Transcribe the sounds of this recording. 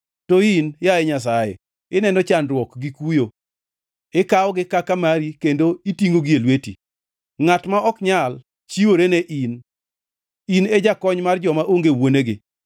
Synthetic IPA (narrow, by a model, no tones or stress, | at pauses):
tɔinjajeɲas̬ajḛ | ɪnɛndɔt͡ʃanɾwɔkɡikujo | ɪkaɔɡɪkakamaɾikendoitiŋoɡɪelwetḭ | ŋatmaɔkɲal | t͡ʃiwoɾeneʔin | ined͡ʒakɔɲmard͡ʒɔmaʔoŋɡewoneɡɪ̰